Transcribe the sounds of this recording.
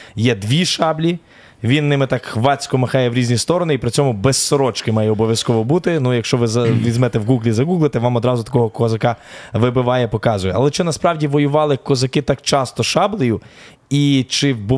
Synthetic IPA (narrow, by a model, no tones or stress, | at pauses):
jɛd̪ʋʲiʃɑblʲi | ʋʲinːɪmɪt̪ɑkxʋɑt͡sʲkɔmɐxɑjɛʋɾʲizʲnʲist̪ɔɾɔnɪipɾɪt͡sʲɔmʊbɛsːɔɾɔt͡ʃkɪmɑjɛɔbɔʋʲjɐskɔʋɔbut̪ɪnujɐkʃt͡ʃɔʋɪzɐʋʲizmɛt̪ɛwɡuɡlʲizɐɡuɡlˠɪt̪ɛʋɑmɔd̪ɾɑzʊt̪ɐ̥kɔɦɔkɔzɐkɑʋɪbɪʋɑjɛpɔkɑzʊjɛʔɐ̰lˠɛt͡ʃɪnɐspɾɑwdʲiʋɔjʊʋɑlˠɪkɔzɐkɪt̪ɑkt͡ʃɑst̪ɔʃɑblˠɪjʊ | it͡ʃɪbʊ